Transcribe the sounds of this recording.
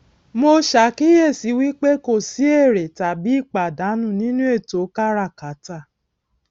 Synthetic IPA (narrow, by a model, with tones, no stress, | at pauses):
mo˧ʃa˨˦ki˦je˦˨si˨˦wi˦k͡pe˦ko˦˨si˨˦e˦˨ɾe˨ta˨bi˨˦i˦˨k͡pa˨da˨˦nũ˦˨nĩ˦nũ˦e˦˨to˨˦ka˦ɾa˦˨ka˨˦ta˦˨